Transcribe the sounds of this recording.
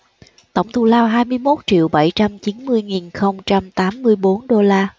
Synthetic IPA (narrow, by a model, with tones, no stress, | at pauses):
t̪ə˧˩wŋ͡mt̪ʰu˧˩laː˧wɦaː˧jmɨ˧əjmo˦˥t̚t͡ɕḭ˧˨əwɓa˧˩jt͡ɕa˧mt͡ɕi˨˦nmɨ˧əjŋi˨˩nxə˧wŋ͡mt͡ɕa˧mt̪aː˨˦mːɨ˧əjɓo˨˦nɗo˧laː˧